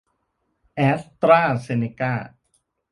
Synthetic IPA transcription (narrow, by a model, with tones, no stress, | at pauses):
ʔɛː˦˥st̪ɾaː˥˩se˧ne˧kaː˥˩